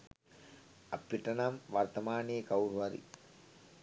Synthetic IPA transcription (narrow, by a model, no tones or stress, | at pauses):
ɐ̰pːiʈɐnamʋɐɾt̪ɐmaːneːkɐwɾʋɐɾḭ